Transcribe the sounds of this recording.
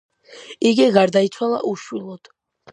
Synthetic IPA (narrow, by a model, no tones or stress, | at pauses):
iɡiɡaɾd̪ait̪sʰwalˠa̰ʔuʃwilˠɔd̪̥